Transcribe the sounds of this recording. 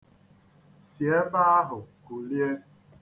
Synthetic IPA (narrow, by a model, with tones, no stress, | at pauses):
sje˨˦ba˦ɦʊ˨ku˨lje˦